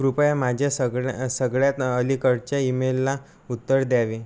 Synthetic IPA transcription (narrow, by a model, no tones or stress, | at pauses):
kɾupjamad͡ʑʱjasəɡɭsəɡɭjat̪əlikəɾt͡ɕaimelːa | ut̪ːəɾd̪jaʋi